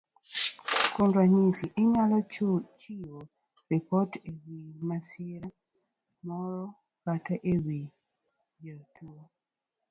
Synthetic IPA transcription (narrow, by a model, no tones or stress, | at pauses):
kundwaɲisiʔiɲalɔt͡ʃio | ɾipɔtewimasiɾa | mɔɾɔ | kataʔewi | jətuo